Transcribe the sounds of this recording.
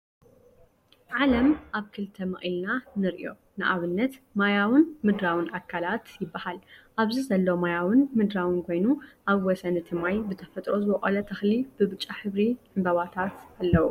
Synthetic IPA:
ʕalɐmʔaβkʰɨlt̪ʰɐmɐʔʼilnanɨɾʔjo̞̰ | nɨʔaβɨnːɐt̪majawɨnmɨd̪ɾawɨnʔakʰːalat̪jɪbːahalʔaβzizɐlːo̞majawɨnmɨd̪ɾawɨnkʰo̞jnuʔaβwɔsɐnɨt̪ʰɨmajbɨt̪ʰɐfɐt̪ʼɾo̞zɨβɔχʼɐ̰lɐt̪ʰɐxlib̥ɨβɨt͡ʃʼːaħɨβɾiħɨmbɐβat̪ʰat̪alːɐwu

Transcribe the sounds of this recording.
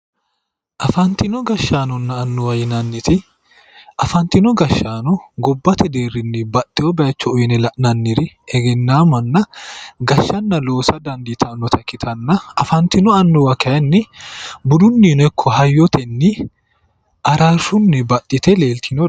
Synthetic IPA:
ʔɐfɐnt̪ɪnɔɡɐʃːaːnɔnːɐːnːɔwɐjɪnɐnːɪt̪ɪ | ʔɐfɐnt̪ɪnɔɡɐʃːaːnɔɡɔbːɐt̪ʰɛd̪eːrːɪnːɪbɐt̪ʼːɪɔbɛɐt͡ʃːɔɔjnɛlɐʔnɐnːɪɾɪɛɡɛnːaːmɐnːɐɡɐʃːɐnːɐlo̞ːsɐd̪ɐnd̪it̪ʰɐnːɔt̪ʰɐkɪt̪ʰɐnːɐɐfɐnt̪ɪnɔɐnːɔwɐkɛɐnːɪbʊd̪ʊnːiːnɔɛkʰːɔhɐjːɔt̪ʰɛnːɪ | ʔɐɾaʃʊnːɪbɐt̪ʼːɪt̪ɛle̞ːlt̪ɪnɔ

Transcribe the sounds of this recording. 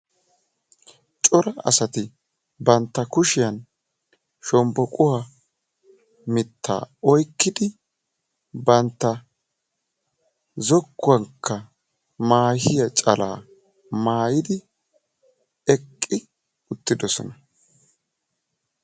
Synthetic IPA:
t͡ʃʼɔɾɐɐ̰sɐt̪ɪ | bɐnt̪ːɐkʊʃɪjɐn | ʃɔmbɔkʼʊhɐ | mɪt̪ʰːa̰ːɔjkːɪd̪ɪ | bɐnt̪ːɐ | zɔkːʊwɐŋkʰːɐ | maːhɪjɐt͡ʃʼɐla̰ː | maːjɪd̪ɪ | ɛkʼːɪ | ʊt̪ːɪd̪ɔsɔ̰nɐ

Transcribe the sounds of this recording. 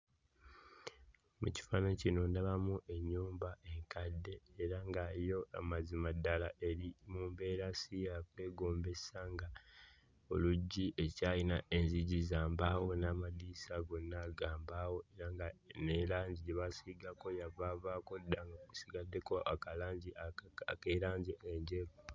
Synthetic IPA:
mṵci̥fanacino̞ndaβamuʔe̞ɲːuːmbaʔe̞ŋkadːe̞ːɾaŋɡajo̞a̰mazimadːalaʔe̞ɾimuːmbe̞ːɾasijakwe̞ːɡo̞ːmbe̞saŋɡa | o̞luɟːiʔe̞caːjinaʔeɲziɟizaːmbaːwo̞naːmadiːsaɡonːaɡaːmbaːwo̞e̞ɾaŋɡanelaːɲɟiɟeβasiɡako̞javavaːko̞daŋɡaku̥siɡadːe̞ko̞ʔakalaːɲɟiaakeɾaːɲɟiʔeɲɟe

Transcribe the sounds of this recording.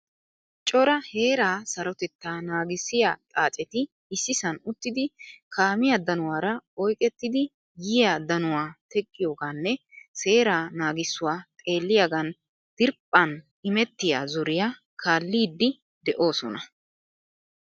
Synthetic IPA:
t͡ʃʼɔɾɐhe̞ːɾaːsɐɾɔt̪ɛt̪ːaːnaːɡɪsːɪjat̪ʼaːt͡ʃʼɛt̪ɪ | ɪsːɪsɐnʊt̪ːɪd̪ɪkʰaːmɪjɐd̪ɐnʊwaːɾɐɔjkʼɛt̪ːɪd̪ɪ | jɪjad̪ɐnʊwaːt̪ɛkʼːɪjoːɡaːnːɛse̞ːɾaːnaːɡɪsːʊwaːt̪ʼe̞ːlːɪjaɡɐn | d̪̥ɪɾpʼːɐn | ɪmɛt̪ːɪja̰ːzɔɾɪja | kʰaːlːiːd̪ːɪ | d̪ɛʔo̞ːsɔnɐ

